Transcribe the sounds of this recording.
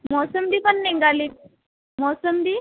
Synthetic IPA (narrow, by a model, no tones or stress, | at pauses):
mɔsəmd̪iːpəɳːeŋɡali | mɔsəmd̪i